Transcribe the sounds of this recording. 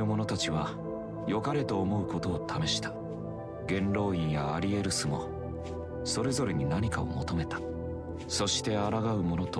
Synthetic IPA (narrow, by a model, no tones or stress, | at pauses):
ɯ̟mo̞no̞t̪at͡ɕiβ̞a | jo̞kaɾe̞t̪o̞ːmo̞ɯ̟ko̞t̪o̞ːt̪ʰame̞ɕi̥t̪ḁ | ɡẽ̞nɾo̞ːĩɰ̃jaːɾʲie̞ɾɯ̟sɨmo̞ | so̞ɾe̞zo̞ɾe̞ɲ̟inaɲ̟ikao̰mo̞t̪o̞me̞t̪ḁ | so̞ɕi̥t̪e̞aɾaɡaɯ̟mo̞no̞t̪o